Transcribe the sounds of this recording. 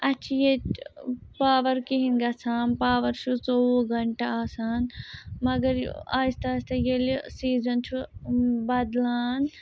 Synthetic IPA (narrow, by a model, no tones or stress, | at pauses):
ɐt͡ʃʰije | paːʋɐɾkiɦinɡɐsʰaːnpaːʋɐɾʃʰut͡soɡɐɳʈaaːsaːnmɐɡɐɾ̰aːst̪ɐːst̪ɐjelisiːzɐnt͡ʃʰubɐd̪laːn